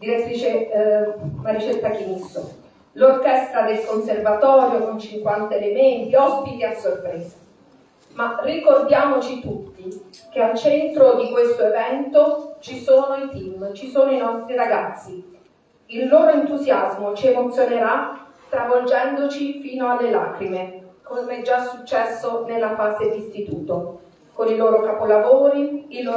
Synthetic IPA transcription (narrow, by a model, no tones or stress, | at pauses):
d̪iɾet̪ːɾiːt͡ʃe | maɾit͡ʃelt̪ːakiniso | lorkɛst̪ɾad̪elkonservat̪ɔːɾjokont͡ʃiŋkwant̪aelement̪iɔspit̪iasːorpɾeːza | marːikord̪jaːmot͡ʃit̪ut̪ːi | k̟ealt͡ʃɛnt̪ɾod̪ikwest̪oevɛnt̪ot͡ʃisoːnoit̪imt͡ʃisoːnoinɔst̪ɾiɾaɡat̪sːi | ilːoːɾoent̪uzjazmot͡ʃiemot̪sːjoneɾast̪ɾavold͡ʒɛnd̪ot͡ʃifiːnoalːelaːkɾimekomɛd͡ʒːasut͡ʃːɛsːonelːafaːzed̪ist̪it̪ṵːt̪o | koniloːɾokapolavoːɾiiloː